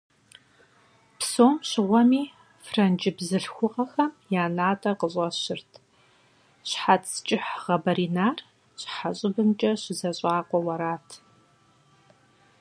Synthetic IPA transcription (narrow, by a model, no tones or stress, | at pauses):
psoːmɕɪʁʷɔmiː | frɐnd͡ʒɪbzɨɬxʷʊqʼɐxɐmjaːnaːtʼɐqəɕʼɐɕɪrtʰ | ɕħatst͡ʃʼɪħʁɐbɐɾiːnaːr | ɕħaɕʼɪbɨmt͡ʃʼɐɕɪzɐɕʼaːqʷɔwɐɾaːtʰ